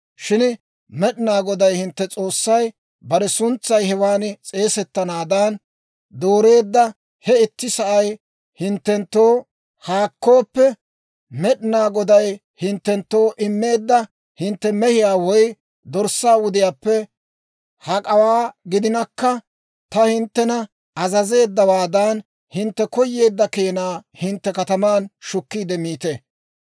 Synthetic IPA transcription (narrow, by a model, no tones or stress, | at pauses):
ʃɪn | mɛɗɪnaːɡɔd̪ɐjhɪnt̪ːɛt͡sʼo̞ːsːɐj | bɐɾɛsʊnt͡sːɐjhɛwaːnt͡sʼe̞ːsɛt̪ːɐnaːd̪ɐn | d̪o̞ːɾe̞ːd̪ːɐ | hɛɪt̪ːɪsɐʔɐj | hɪnt̪ːɛnt̪ːoː | haːkːo̞ːpːɛ | mɛɗɪnaːɡɔd̪ɐj | hɪnt̪ːɛnt̪ːo̞ːʔɪmːe̞ːd̪ːɐ | hɪnt̪ːɛmɛhɪjaːwɔj | d̪ɔɾsːaːwʊd̪ɪjaːpːɛ | hɐkʼɐwaːɡɪd̪ɪnɐkːɐ | t̪ɐhɪnt̪ːɛnɐ | ɐzɐze̞ːd̪ːɐwaːd̪ɐn | hɪnt̪ːɛkɔjːe̞ːd̪ːɐke̞ːnaːhɪnt̪ːɛkɐt̪ɐmaːnʃʊkːiːd̪ɛmiːt̪e